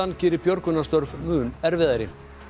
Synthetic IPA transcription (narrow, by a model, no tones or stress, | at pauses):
ancɪːɾɪpjɔɾkʏnast̪œɾvmʏːnɛɾvɪðaɾɪ